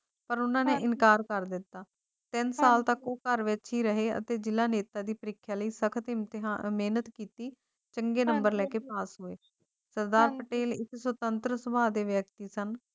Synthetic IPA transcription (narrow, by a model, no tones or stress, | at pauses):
pəɾʊnãːneːʔɪnkaːɾkəɾd̪ɪt̪ːaː | t̪ɪnsaːlt̪əkoːkəɾʋɪt͡ʃɦiːɾəɦeːə̰t̪eːd͡ʒɪlaːneːt̪aːd̪iːpəɾɪkʰːjaːləiːsəkʰət̪et̪ːmeːnət̪kiːt̪iː | t͡ʃəŋɡeːnəmbəɾlɛːkeːpaːsɦoːeː | səɾd̪aːɾpəʈeːlɪkswət̪ənt̪ɾəsəbaːd̪eːʋjək̚t̪iːsən